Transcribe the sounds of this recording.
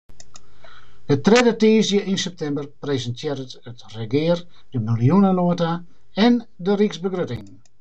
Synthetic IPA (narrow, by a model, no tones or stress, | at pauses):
dətrɛdəteːzjəʔinsɛp̚tɛmbərprezəntʰjɪəɾətətrəɡɪər | d̥əmiljunənoəta | ɛn | dəriksbəɡrøtɪ̰ŋ